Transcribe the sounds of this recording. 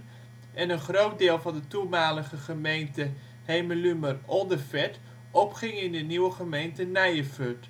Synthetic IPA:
ʔɛnənχrowt̚dɪːlˠvɑndətumaːləχəχəmejntə | hejməlymərɔlˠdəfɛt | ʔɔpχɪŋɪndəniwəχəmejntənɛjəføt

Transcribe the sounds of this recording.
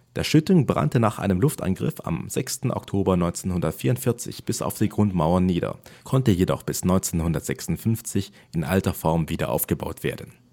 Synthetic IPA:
d̥eːɐʃʏtʊŋbʁa̰ntənaːχʔa̰ɪnəmlʊftʔa̰nɡʁɪ̰fa̰mzɛkstn̩ʔɔ̰ktʰoːbɐnɔʏnt͡seːnhʊndɐtfiːɐʊntfɪɐt͡sɪ̰çb̥ɪsa̰ʊfd̥iːɡʁʊntmaʊɐnːiːdɐ̰kʰɔntəjedɔ̰χb̥ɪsnɔʏnt͡seːnhʊndɐtz̥ɛksʊntfʏnft͡sɪç | ʔɪnʔa̰ltɐfɔɐmviːdɐ̰ʔa̰ʊfɡ̥əba̰ʊtv̥ḛːɐdn̩

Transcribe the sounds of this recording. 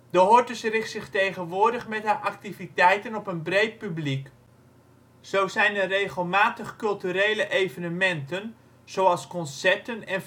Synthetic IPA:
d̥əɦɔɹtəsrɪχtsɪχtejχənʋʊːɹdəχmɛtɦaːʔak̚tivitɛjtənɔpənbrejt̚pyblik | z̥owzɛjnərejχəlˠmaːtəχkɵlˠtyɾejləʔejvənəmɛntən | z̥owɑlˠskɔnsɛɹtənɛn

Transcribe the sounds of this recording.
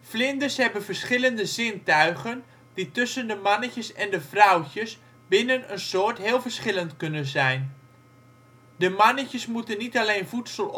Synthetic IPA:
flɪndəɹsɦɛbənvəɹsχɪləndəzɪntœɥχən | ditʏsəndəmɑnəcəsɛndəvrawcəs | bɪnənənsoːɹtɦɪːlˠvəɹsχɪləntkɵnənzɛjn | dəmɑnəcəsmutənːitalejnvutsəl

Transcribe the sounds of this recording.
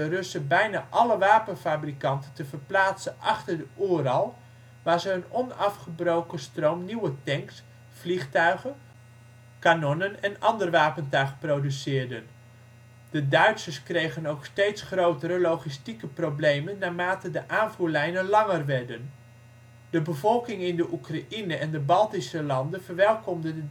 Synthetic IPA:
ərɵsəbɛjna̰ːʔɑləʋaːpənfaːbrikɑntəntəvəɹplaːtsənʔɑχtəɹdəʔuːrɑlˠ | ʋaːɹzəjənɔnɑfχəbrowkəstrowmniwətɛŋks | fliχtœɥχən | kanɔnənɛnɑndərʋaːpəntœɥχprowdysɪːɹdən | d̥ədœɥtsəskrejχənowkstejtsχrowtəɾəlowχistikəprowblejmənːaːmaːtədəʔaːnvuːlɛjnənlɑŋərʋɛɹdən | d̥əbəvɔlˠkɪŋɪndəʔukraʔinəʔɛndəbɑlˠtisəlɑndənv̥əɹʋɛlˠkɔmdənə

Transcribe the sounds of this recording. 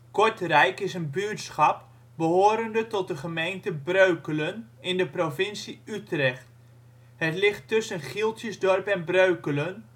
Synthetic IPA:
kɔɹtrɛjkɪsənbyːtsχɑp | bəɦoːɾəndətɔt̚dəχəmejntəbrøɥkələn | ɪndəprofɪnsiytrɛχt | hətlɪχtːɵsənχilˠtjəsdɔrpɛnbrøɥkələn

